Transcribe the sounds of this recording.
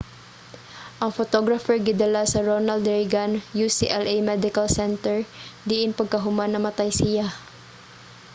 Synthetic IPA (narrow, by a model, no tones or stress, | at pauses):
ʔɐŋfot̪oɡɾɐfɛɹɡɪd̪ɐlasɐɹonɐld̪ɹɪɡanjusḭʔɛlʔejmɛd̪ɪkɐlsɛnt̪ɛɹd̪iʔɪnpɐɡ̚kɐɦʊmanːɐŋmɐt̪ajsɪja